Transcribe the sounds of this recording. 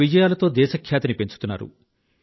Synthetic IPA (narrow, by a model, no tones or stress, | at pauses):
id͡ʒɐjaːlɐt̪o̞ːd̪ɛːʃɐkʰjaːt̪ɐnipe̞ɲt͡ʃut̪unːa̰ːɾṵ